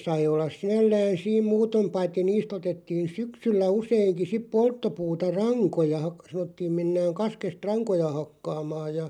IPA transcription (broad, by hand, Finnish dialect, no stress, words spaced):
sɑi olːɑs sinælːæːn̞ siːm muːtom pɑitːi niːst otetːiːn̞ syksylːæ useiŋki sip poltːopuːtɑ rɑŋkojɑ hɑk sɑnotːiːm menːæːŋ kɑskest rɑŋkojɑ hɑkːɑːmɑːj jɑ